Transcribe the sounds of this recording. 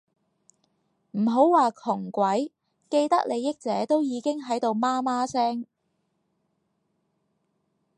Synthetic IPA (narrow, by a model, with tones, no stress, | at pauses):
m̩˨˩ɦo˨˥wwaː˨˧kʰʊ˨˩ŋkʷɐ˨˥j | ke˧jt̪ɐ˥k̚le˨˧jːɪ˥k̚t͡sɛː˨˥t̪o˥wjiː˨˧kɪ˥ŋɦɐ˨˥jt̪o˨wmaː˥maː˥sɛː˥ŋ